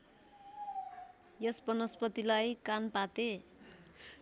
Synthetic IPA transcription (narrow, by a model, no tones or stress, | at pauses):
jʌsbʌnʌspʌt̪ilajkanpat̪e